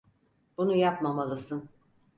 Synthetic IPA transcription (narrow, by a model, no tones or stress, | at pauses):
b̥unujapmamalˠɯsɯn